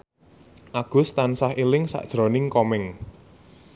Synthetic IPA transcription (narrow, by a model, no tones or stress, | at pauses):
ʔaɡ̥ʊ̤st̪ansahilɪŋsa̰ʔd̥ʒ̥ɾɔ̤nɪŋkɔmɪŋ